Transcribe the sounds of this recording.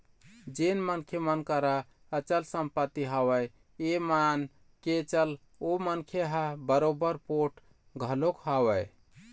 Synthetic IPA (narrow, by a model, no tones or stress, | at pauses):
d͡ʒenmənkʰjemənkəɾa | ət͡ʃəlsəmpət̪ːiɦawəj | eman | ket͡ʃəl | omənkʰjeɦabəɾobəɾpoʈ | ɡʱəlokɦawəj